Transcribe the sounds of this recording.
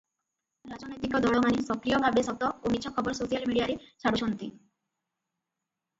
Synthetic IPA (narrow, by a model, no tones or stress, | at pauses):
ɾad͡ʑonojt̪ikod̪ɔɭomanisɔkɾijobʱabesɔt̪ɔomitːɕʰɔkʰɔboɾsoʃialmiɽiaɾeʃaɽuʃont̪ḭ